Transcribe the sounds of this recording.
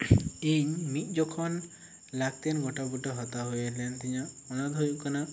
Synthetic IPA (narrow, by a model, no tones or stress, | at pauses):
iɲmit̪̚ˀd͡ʒɔkʰɔn | laɡ̚t̪ɛnɡɔʈabuʈɔɦɔt̪aɦujalɛnt̪iɲaʔɔnad̪ɦujuʔkana